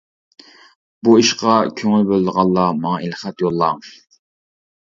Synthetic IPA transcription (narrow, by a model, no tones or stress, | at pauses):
buiʃqɑkʲʰøŋylbølɨd̪əʁɑnˠːɑmɑŋɑelχæt̪jolˠːɑ